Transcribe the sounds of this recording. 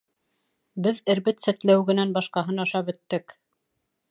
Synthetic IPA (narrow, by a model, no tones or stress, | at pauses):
bɘðɘ̆ɾbɘt̪sæt̪læwɡɘ̆nænbɑʃqɑɦɤnɑʃɑpɵ̆t̪ːɘk